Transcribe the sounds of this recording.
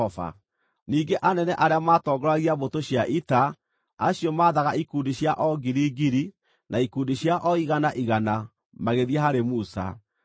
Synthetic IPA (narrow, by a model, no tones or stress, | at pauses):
ɔfa̰ | niːɡeʔanɛnɛʔaɾeamaːtɔːɡɔɾaɣiaβotoɕjaʔita | aɕjɔmaːðaɣaikuːndiɕjaʔɔɡiɾiːɡiɾi | naikuːndiɕjaʔɔiɣanaʔiɣana | maɣeðiaɦaɾemusa̰